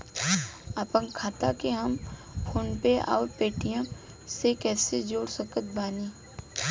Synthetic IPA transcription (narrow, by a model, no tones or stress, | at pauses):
aːpənkʰaːt̪akeɦəmpʰoːnpeʔɔ̰ːɾpeːʈijã | sekɛːsed͡ʒoːɽsəkət̪̚baːniː